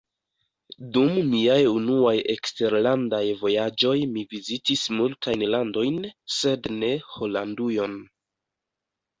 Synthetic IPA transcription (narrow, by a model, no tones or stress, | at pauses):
dummiajunuaje̞kste̞ɾlandajvo̞jad͡ʒo̞jmivizitismultajnlando̞jnse̞dne̞ho̞landujo̞n